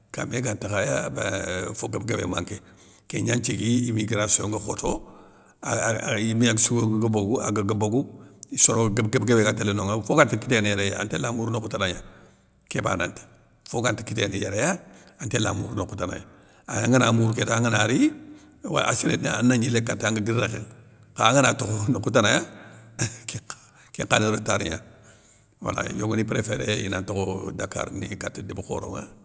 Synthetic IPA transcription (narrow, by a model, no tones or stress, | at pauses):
ka̰meɡantakajabafoɡəbɡebḛma̰ŋke | keɲant͡ʃiɡiimiɡiɾasoŋɡaxoto | aimijaɡsuɡoɡɡaboɡua̰ɡaɡəboɡuisoɾoɡabɡəbɡebeɡantelenoŋafoɡantikitenejaɾejaa̰ntelamuɾnokutanaɲa | keba̰na̰nti̥ | foɡantikitenejaɾejaantela̰mṵɾnokutana̰ja | aŋanamuɾketaaŋanaɾi | wa̰asiɾenanːaɲilekatːaŋɡaɡiɾːaken | kaŋanatokonokutanaja | k | kḛŋkaniɾotaɾiɲa | wa̰la̰joɡunipɾefeɾḛjḭnantokodakːa̰ɾnikatːidibuko̰ːɾo̰ŋa̰